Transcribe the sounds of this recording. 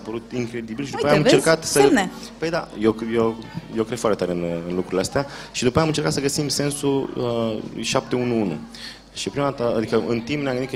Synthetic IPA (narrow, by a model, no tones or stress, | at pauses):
apəɾut̪iŋkɾe̞d̪ibilʃid̪upaeamɨnt͡ʃeɾkat̪səe | pəjd̪a̰jejojowkɾe̥foart̪et̪aɾeɨnɨnlukɾuɾileast̪eaʃid̪upaeamɨnt͡ʃekat̪səɡəsimse̞nsuə̰jʃap̚t̪eunuunṵ | ʃipɾimat̪aad̪ikəʔɨnt̪impnjamɡɨnd̪ik